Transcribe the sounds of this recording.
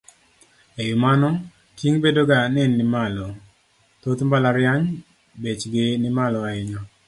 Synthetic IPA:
ejʊmanɔ | tiŋbedoɡanɛnːɪmalɔ | t̪ot̪mbalaɾjaɲ | bet͡ʃɡɪnɪmalɔaɪɲɔ

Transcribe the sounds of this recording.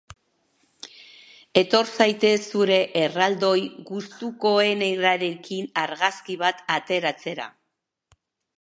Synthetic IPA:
e̞t̪o̞ɾsajt̪e̞suɾe̞ʔːrald̪o̞jɣust̪uko̞e̞neɾaɾe̞kinaɾɣaskiβ̞at̪at̪e̞ɾat͡se̞ɾa̰

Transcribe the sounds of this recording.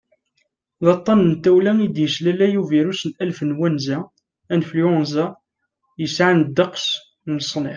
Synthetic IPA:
ðɑt̪ˤːɑnənt̪ːæwlæŋid̪jəslælæjuviɾusənælfənwænzæ | ænfljonzæ | jəsʕand̪ːəqs | nəsˤnɪ

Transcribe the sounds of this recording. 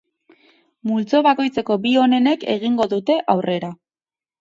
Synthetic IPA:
mult͡so̞βako̞jt͡se̞ko̞bio̞ne̞ne̞ke̞̰ɣ̞iŋɡo̞ðut̪e̞ʔawrʔe̞ɾa

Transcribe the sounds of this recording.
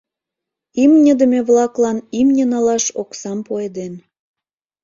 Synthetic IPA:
imnʲəd̪əmeβlɑklɑnimnʲənɑlɑʃoksɑmpoed̪en

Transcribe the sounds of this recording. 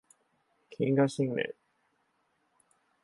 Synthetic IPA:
kʲʰĩŋɡaɕĩŋnḛ̃

